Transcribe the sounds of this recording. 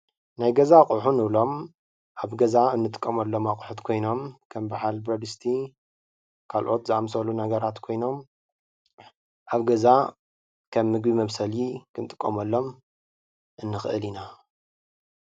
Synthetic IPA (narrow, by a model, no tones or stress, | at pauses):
najɡɐzakʼuħunɨβlo̞m | ʔaβɡɐzaɨnːɨt̪ʼɨ̥kʼːɐmɐlːo̞makʼuħut̪kʰo̞jno̞mkʰɐmbaħalbɾɐd̪ɨst̪ʰi | kʰalʔo̞t̪zɨamsɐlunɐɡɐɾat̪kʰo̞jno̞m | ʔaβɡɐza | kʰɐmːɨɡbimɐβsɐlikʰɨnt̪ʼɨkʼːɐmɐlːo̞m | ʔɨnːɨxʔɨ̰lina